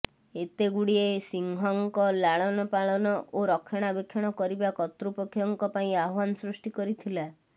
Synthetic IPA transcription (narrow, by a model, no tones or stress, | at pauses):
et̪eɡuɽiesiŋɡʱɔŋkɔlaɭ̃ɔnɔpaɭɔnɔʔoɾɔkʰɔɽ̃abekʰːɔɽ̃ɔkɔɾibakɔt̪ɾupɔkʰːjɔŋkɔpaĩaɦwanɔsɾusʈikɔɾit̪ʰila